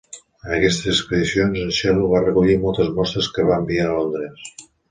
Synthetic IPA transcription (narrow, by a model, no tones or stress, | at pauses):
ənəkɛst̪əzəkpəðisionzəʃɛluβ̞arəkuʎimɔlˠt̪əzmɔst̪ɾeskəβambiaəlond̪ɾes